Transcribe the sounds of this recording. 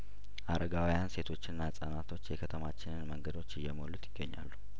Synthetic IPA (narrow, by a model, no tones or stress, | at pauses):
ʔaɾəɡawijanse̞t̪ʰo̞t͡ʃːɪnːasʼənat̪ʰo̞t͡ʃːjɛkʰət̪ʰəmat͡ʃːɪnɨnməŋɡəd̪o̞t͡ʃːɪjːɛmolut̪jɪɡːəɲːa̰lːu